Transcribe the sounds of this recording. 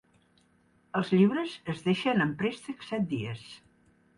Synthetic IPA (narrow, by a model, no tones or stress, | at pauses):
əlˠzʎiβɾəzəzðeʃənəmpɾest̪əksɛt̪̚d̪iəs